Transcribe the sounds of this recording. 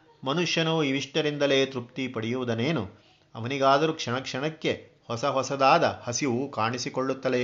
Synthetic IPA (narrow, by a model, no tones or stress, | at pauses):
mɐnuʂjɐnuiʋiʂʈɐɾind̪ɐle̞ːt̪ɾupt̪ipɐɽijuʋud̪ɐneːnu | ɐ̰ʋɐniɡaːd̪ɐɾukʂɐɳɐkʂɐɳɐkːe̞ | hɔsɐɦɔsɐd̪aːd̪ɐhɐsiʋukaːɳisikoɭːut̪ːɐd̪e